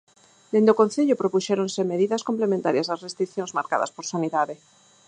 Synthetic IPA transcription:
d̪end̪okõnθeʎopɾopuʃeɾõnse̞meðiðaskomplemẽnt̪aɾjaslasrest̪ɾikθjo̞nzmaɾka̰ða̰spoɾsaniðaðe

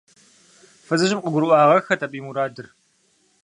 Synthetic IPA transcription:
fɨzɨʑɪmqəɡʷʊɾʔʷɑːʁɐxɐtʰɐpʼiːmuɾaːdɨr

